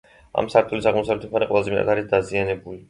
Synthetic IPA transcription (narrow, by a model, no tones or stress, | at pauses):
a̰msaɾt̪ʰʼulisaʁmɔsawlɛt̪ʰɛpʰaɾiqʼwɛlˠazɛmɛa̰t̪ʰaɾisd̪azianɛbuli